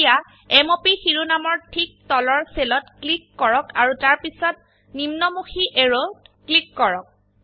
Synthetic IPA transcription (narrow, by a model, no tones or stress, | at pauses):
ja | ɛmopixiɹunamɔɹtʰik̚tɔlɔɹselɔtklikːɔɹɔkaɹutaɹpisɔt̚ | nimnɔmuxʰiʔeɹoklikːɔɹɔk̚